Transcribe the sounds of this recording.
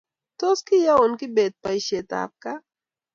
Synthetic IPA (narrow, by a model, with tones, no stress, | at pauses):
t̪o˦ski˦ja˦ɔ˨nki˦be˨t̪̚pa˨i˨ʃe˨t̪a̰˨p̚ka˦